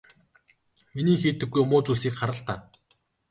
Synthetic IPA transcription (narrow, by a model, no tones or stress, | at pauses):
miniːŋxiːt̪ɘ̆ɡːujmʊːt͡susiːkχaɾə̆ɬt̪aː